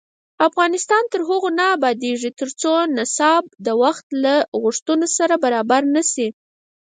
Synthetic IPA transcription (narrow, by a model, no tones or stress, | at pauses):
afɣɑnɪst̪ɑnt̪əɾɦʊɣonaːbɑd̪eʐit̪əɾt͡sonɪsɑb̚d̪əwaxt̪laɣʊʂt̪unosaɾabaɾɑbaɾnasi